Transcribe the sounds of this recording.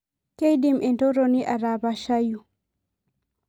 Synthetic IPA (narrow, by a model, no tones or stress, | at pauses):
kejdimʔɛntɔɾɔniʔaɾabaʃaju